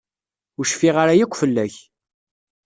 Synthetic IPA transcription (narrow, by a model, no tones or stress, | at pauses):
ʊɾʃfiʁaɾajækʷːfəlːæç